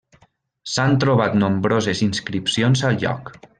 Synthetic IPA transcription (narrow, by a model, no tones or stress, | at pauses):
sant̪ɾoβ̞at̪nõmbɾozezinskɾipsionzalˠʎɔ̰k